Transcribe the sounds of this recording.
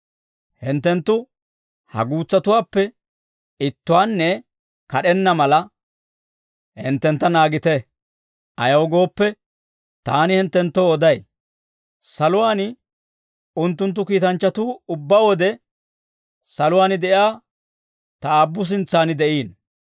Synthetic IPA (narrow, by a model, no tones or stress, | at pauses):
hɪnt̪ːɛnt̪ːʊ | hɐ̰ɡuːt͡sːɐt̪ʊwaːpːɛ | ɪt̪ːʊwaːnːɛ | kɐɗɛnːɐmɐlɐ | hɪ̰nt̪ːɛnt̪ːɐnaːɡɪt̪ɛ | ʔɐjɐwɡo̞ːpːɛ | t̪aːnɪhɪnt̪ːɛnt̪ːoɔd̪ɐj | sɐlʊwaːnɪ | ʊnt̪ːʊnt̪̬ːʊkiːt̪ɐnt͡ʃːɐt̪uːʊbːawɔd̪ɛ | sɐlʊwaːnɪd̪ɛʔjaː | t̪ɐaːbːʊs̬ɪnt͡sːaːnɪd̪ɛʔiːn